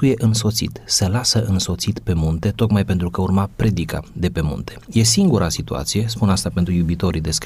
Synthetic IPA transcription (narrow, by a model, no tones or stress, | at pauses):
uje̞ʔɨnso̞t̪sḭt̪səlasəʔɨnso̞t̪sit̪pe̞munt̪e̞t̪o̞k̪majpe̞nt̪ɾukəurmapɾe̞d̪ika̰d̪e̞pe̞mṵnt̪e̞̥je̞s̬iŋɡuɾasit̪ua̰t̪sije̞spunast̪ape̞nt̪ɾujubit̪o̞ɾid̪e̞sk